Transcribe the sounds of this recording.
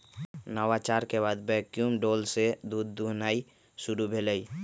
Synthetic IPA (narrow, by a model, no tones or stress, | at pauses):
nəwat͡ʃaːɾkebaːd̪bɛkjumɖoːlsed̪uːd̪ːuɦnaːi | sʊɾubʱeləi